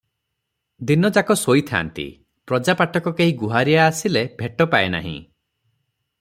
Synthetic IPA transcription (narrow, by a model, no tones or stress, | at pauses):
d̪inɔd͡ʒakɔsojt̪ʰa̰nt̪ḭ | pɾɔd͡ʒapaʈʰɔkɔkeɦĩɡuɦaɾiaːsilebʱeʈɔpaena̰ɦḭ̃